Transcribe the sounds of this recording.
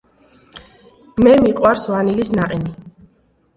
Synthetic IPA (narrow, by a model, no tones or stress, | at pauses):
mɛmiqʼwaɾsvanilisnaqʼini